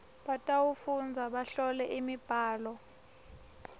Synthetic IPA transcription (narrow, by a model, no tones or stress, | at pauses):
ɓatʼawufund͡zʱaɓaɬɔlɛʔimib̥ʱaːlɔ